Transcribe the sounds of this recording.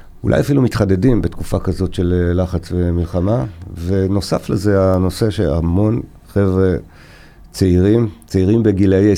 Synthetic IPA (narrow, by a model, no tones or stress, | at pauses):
ulʔa̰jafilumitχade̞dimbetkufakazo̞tʃe̞llaχat͡svemilχamave̞no̞safleze̞ano̞se̞ʃea̰mo̞n | χe̞vʁe | t͡seiʁimt͡seiʁimbeɡileje